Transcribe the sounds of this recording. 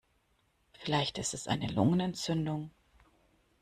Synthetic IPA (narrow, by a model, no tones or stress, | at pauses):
fɪlaɪçtɪstɛsʔa̰ɪnəlʊ̰ŋənɛnt͡sʏndʊŋ